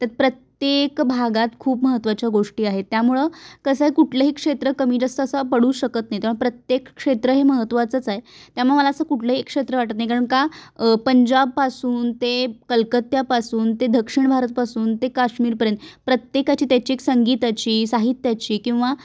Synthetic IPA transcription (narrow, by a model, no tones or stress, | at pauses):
t̪at̪̚pɾət̪jekbʱaɡat̪kʰuːpməɦət̪ʋat͡ɕjaɡoʂʈiːaɦet̪ːjamuɭəkəsəɦekuʈʰləɦikʂet̪ɾəkəmiːd͡ʑəst̪əːsəpəɽuːɕəkət̪naɦit̪aɾʋəɳpɾət̪jekkʂet̪ɾəɦeməɦət̪ʋat͡sət͡saɦet̪jamuɭməlaəsəkuʈʰləɦiekːʂet̪ɾəʋaʈət̪naɦikaɾəɳkapəɲd͡ʑab̚pasuːnt̪ekəlkət̪japasuːnt̪ed̪ʱəkʂiɳbʱaɾət̪̚pasuːnt̪ekaʂmiːɾpəɾjənt̪pɾət̪jekat͡ɕiːt̪jat͡ɕieksəŋɡiːt̪at͡ɕiːsaɦit̪jat͡ɕiːkĩw̃ʋa